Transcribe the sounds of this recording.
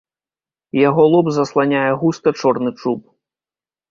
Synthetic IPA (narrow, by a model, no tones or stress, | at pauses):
jaɣɔlˠɔbzɐslˠanʲajɛɣust̪ɐt͡ʂɔrnɨt͡ʂup̚